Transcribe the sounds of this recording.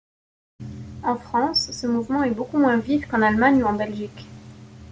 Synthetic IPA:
ɑ̃fχɑ̃sːəmuvmɑ̃ɛbokumwɛ̃vifkɑ̃nalmaɲuɑ̃bɛlʒik

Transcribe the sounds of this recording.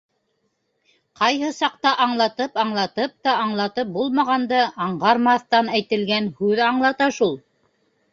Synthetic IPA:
qɑjɦɤsɑq̚t̪ɑʔɑɴlˠɑt̪ɤpɑɴlˠɑt̪ɤp̚t̪ɑɑɴlˠɑt̪ɤp̚bulˠmɑʁɑnd̪ɤʔɑɴʁɑɾmɑθt̪ɑnæjt̪ɘ̆lɡænhʉðɑɴlˠɑt̪ɑʃulˠ

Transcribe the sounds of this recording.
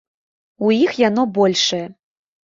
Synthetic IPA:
ujixjanɔbɔlʲʂɐjɐ

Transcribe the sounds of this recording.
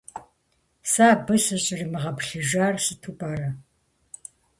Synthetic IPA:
saːbɨɕɨɕʼɪrimɨʁɐpɬɨʒaːrsɨtʰubʼaːɾɐ

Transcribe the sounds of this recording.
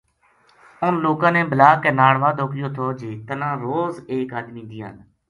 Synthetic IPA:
ʊnloːkãːnẽːbəlaːkeːnaːɽʋaːd̪oːkɪjoːt̪ʰoːd͡ʒeːt̪ənãːɾoːzeːkaːd̪mĩːd̪ɪːa̰ːn

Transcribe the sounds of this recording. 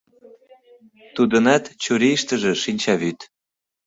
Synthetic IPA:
t̪ud̪ə̆nɑt̪t͡ɕuɾiʃt̪ə̆ʒĕʃinʲt͡ɕɑβyt̪

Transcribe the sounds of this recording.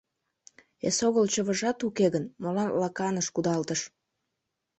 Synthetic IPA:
esoɣəlt͡ɕəβəʒɑt̪ukeɣənmolɑnlɑkɑnəʃkud̪ɑlt̪əʃ

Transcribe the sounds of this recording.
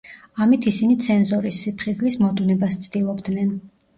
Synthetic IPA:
amit̪ʰisinit̪sʰɛnzɔɾisipʰχizlismɔd̪unɛbast̪sʰd̪ilˠɔbd̪nɛn

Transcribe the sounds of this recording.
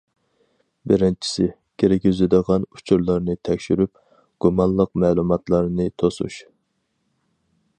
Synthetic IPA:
bɪɾɪnt͡ʃʰi̥sɪ | kʲʰeɾɪkʲyzɪd̪əʁɑnut͡ʃʰuɾlˠɑɾnɨt̪ʰɛkʲʃyɾyp̚ | ɡ̥umɑnlˠəqmɛːlˠumɑt̪lˠɑɾnɨt̪ʰosṵʃ

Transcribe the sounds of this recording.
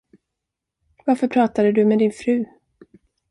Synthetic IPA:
vaɾfœpʰɾɑːt̪ad̪əd̪ɵmɛd̪ɪnfɾʉ̟ː

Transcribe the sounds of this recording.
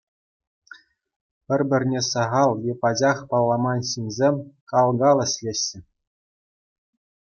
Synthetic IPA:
pʲɘ̆rʲbʲɘ̆rʲnʲesɑʁɑlˠjepɑd͡ʑɑχpɑlˠːɑmɑnɕinʲzʲemʲkɑlˠɡɑlˠɘ̆ɕʲlʲeɕːɘ̆

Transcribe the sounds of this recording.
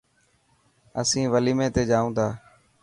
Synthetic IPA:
əsĩːʋəliːmẽːt̪eːd͡ʒaːũːd̪aː

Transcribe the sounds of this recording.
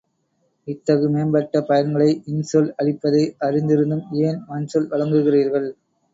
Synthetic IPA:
ɪt̪ːɐɣɯmeːnbɐʈːɐpɐjɐnɡɐɭɐɪʔɪnsɔlɐɭɪpːɐðɐɪʔɐrɪnd̪ɪɾɯnd̪ɯmeːnmɐnsɔlʋɐɻɐŋɡɯɣɪriːɾɣɐɭ

